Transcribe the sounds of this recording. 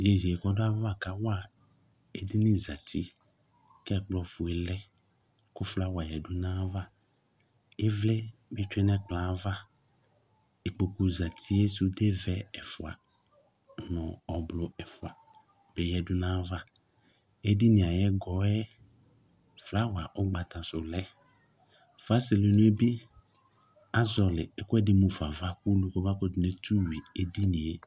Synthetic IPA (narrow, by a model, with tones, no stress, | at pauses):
d͡ʒe˨zi˨ɛ˨kɔ˦do˦a˦va˦˨ka˦wa˦˨ | e˦di˦nĩ˦za˨tʰi˦ | kɛ˦ɛ˦˨k͡plɔ˨fu˨ɛ˨lɛ˦ | kʊ˦fla˦wa˨jɛ˨du˦nã˦va˦ | e˦vlɛ˦be˦t͡ʃɛ˦nɛ̃˦k͡plã˨˦va˦ | e˨k͡po˨ku˨za˨t̪ʰi˦e˦su˦de˦vɛ˦ɛ˨fu˨a̰˨ | nɔ̃˨ɔ˨blʊ˨ɛ˨fʊ˨a˨ | b̥e˨jɛ˨dʊ˦nã˦va˦ | e˦di˦nĩ˨a˨jɛ˦ɡɔ˨˦ɛ˦ | fla˦wa˨ʔɔ˦ɡ͡ba˨tã˨sʊ˨lɛ˦ | fa˦sɪ˨li˨nʊ̃˦e˦bi˦ | a˦zɔ˨lɪ̰˨ɛ˨kʊ˦ɛ˦dɪ˦mu˨fa˨va˦ku˦lu˨ko˦ba˦ko˦dʊ˨ne˦tu˦wi˨e˦di˦nĩ˨e˨